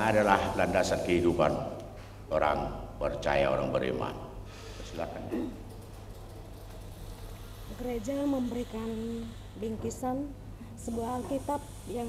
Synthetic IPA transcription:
adalahlandasar̚kəɦidupan | oɾa̰ŋpərt͡ʃa̰ja̰o̰ɾaŋbəɾḭma̰n | pəsilakanɲa | ɡəɾed͡ʒaməmbəɾikan | biŋkisan | səbuahalkit̪ap̚ | jaŋ

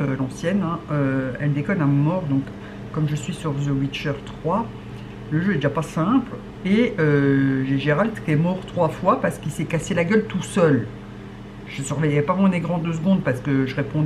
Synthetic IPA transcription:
ølɑ̃sjɛnɛ̃øɛld̪ekɔlɛ̃mɔʁd̪ɔ̃kː | ɔmʒəsɥisyʁzowit͡ʃœʁt̪χwa | ləʒøɛd̪eʒapasɛ̃pl | eøʒeʒeʁald̪kʲɛmɔʁt̪χwafwapaʁsə̥kilsɛkaselaɡʲœlt̪usœl | ʒəsyʁvɛjɛpamɔ̃neɡʁɑ̃d̪øsɡɔ̃d̪paʁsə̥kəʒəʁepɔ̃

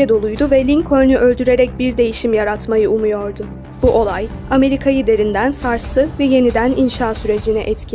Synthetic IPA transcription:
ɛd̪o̞lˠujd̪ʊvɛlʲiŋkʰo̞jnyʔø̞lʲd̪yɾe̞ɾɛc̚biɾd̪e̞jiʃimjaɾat̪majɯumujo̞ɾd̪ʊ | b̥uʔo̞lˠaj | ame̞ɾikʰajid̪e̞ɾind̪ænsaɾsɯvɛje̞nid̪æninʃaːsyɾe̞d͡ʒinɛʔɛt̪cʰ

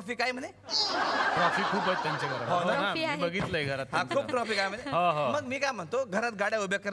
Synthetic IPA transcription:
ɔfikːajməne | ʈɾɔfikkʰːuːpɦət̪̚ːjaɲt͡ɕaɡʱəɾəɦnabəɡiːt̪ləiɡʱəɾat̪ɦãkʰuːb̚ʰʈɾɔfiːkajməneɦãɦãməɡmiːkajm̤əɳt̪oɡʱəɾat̪̚ɡaɽjaubjəkːəɾ

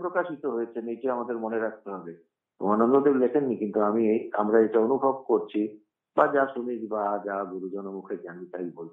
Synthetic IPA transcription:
pɾokaʃit̪oɦojet͡ɕʰenejʈiamad̪eɾmoneɾak̚ʰt̪eɦɔbe | o̰anond̪od̪eɾlekʰenːikint̪uamieamɾaeʈaonubʱobkoɾt͡ɕʰi | bad͡ʑaʃunid͡ʑbad͡ʑaɡuɾud͡ʑɔnomukʰekeamit̪ajbol

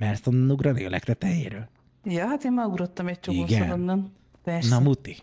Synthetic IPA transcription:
mɛlst̪onnuɡɾɒnḛːlɛ̰kt̪ɛt̪ɛjḛːɾøːl | jɒɦat̪eːmmɒuɾot̪ːɒmɛc̚t͡ʃoikonɡsond̪onːɒn | t̪ɛʃnɒmut̪i

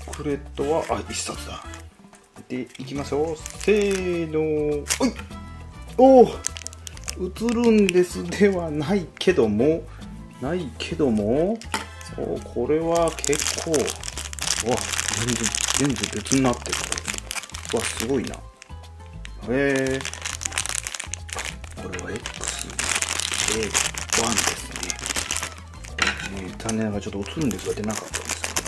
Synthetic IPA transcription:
kʰɯ̟ɾe̞t̪ːo̞βaʔaisasd̪a | t̪e̞ikʲimaɕo̞ːseːnoi | oː | ɯt͡sɨɾɯ̟̃nd̪e̞sɨd̪e̞βanaikʰe̞d̪o̞mo | naikʰe̞d̪o̞mo | o̰kʰo̞ɾe̞βakʰe̞kʰːo̞ː | ad͡zẽnd͡zẽzẽ̞nd͡zebe̞t͡sɨɲ̟inat̪ːe̞kɯt̪ | βasɨɡo̞ina̰ | he | koɾe̞βaekɯ̥sɨd̪eβãnd̪e̞sɨne̞ | kned͡zãnːẽ̞ŋɡat͡ɕot̪ːoot͡sɨɾɯ̃nd̪e̞sɡad̪e̞nakat̪ːã̰nd̪e̞sɨ

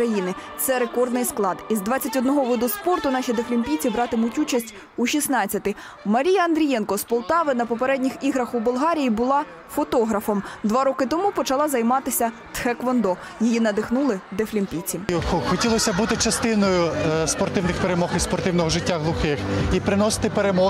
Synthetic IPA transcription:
ɾɐjinɪ | t̪sɛɾe̞kɔrd̪nɪjsklˠɑd̪izd̪ʋɑt͡sʲɐtʲɔd̪nɔɦɔʋɔd̪uspɔrt̪ʊnɑʃʲid̪eflʲimʲpʲijt͡sʲibɾɑt̪ɪmutʲut͡ʃɐsʲtʲ | uʃʲisnɑt͡sʲːɐt̪ɪ | mɐɾʲijɐɐnd̪ɾʲijɛnkɔspɔlˠt̪ɑʋɪnɐpɔpeɾɛdʲnʲixiɦɾɐxubʊlˠɦɑɾʲijibʊlˠɑ | fɔt̪ɔɦɾɐfɔmd̪ʋɑɾɔkɪt̪ɔmupɔt͡ʃɐlˠɑzɐjmɑt̪ɪsʲɐt̪xɛkʋɔnd̪ɔ | jijinɐd̪ɪxnulˠɪd̪eflʲimʲpʲijt͡sʲixɔtʲilˠɔsʲɐbut̪ɪt͡ʃɐst̪ɪnɔjʊspɔrt̪ɪwnɪxpeɾemɔxispɔrt̪ɪwnɔɦɔʒɪtʲːaɦlˠʊxɪxipɾɪnɔsɪ̥t̪ɪpeɾemɔ

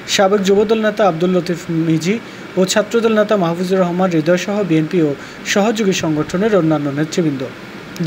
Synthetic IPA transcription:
ʃabek̚d͡ʑobod̪olnet̪aab̚d̪ulːot̪ifmid͡ʑi | ot͡ɕʰat̪ːɾod̪olnet̪amaɦafuzoɾɔɦmanɾid̪ɔjʃɔɦobienpio | ʃɔɦod͡ʑoɡiʃɔŋɡoʈʰoneɾonːanːonet̪ɾibind̪o

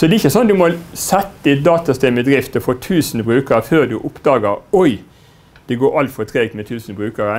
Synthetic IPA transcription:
sɔd̪ɛɪçːəsɔnd̪ʉmɔlsɛt̪ːəd̪ɪt̪̚d̪ɑːt̪ɑst̪ɛməd̪ɾɪft̪əfoːt̪ʰʉːsnbɾʉːkəɾəføːʁd̪ʉʔʊpd̪ɑːɡəɾɔɪ | d̪̥ɛɡoːɾɑlt̪fɔt̪ʰɾeːɡ̚t̪mɛt̪ʰʉːsnbɾʉːkəɾə

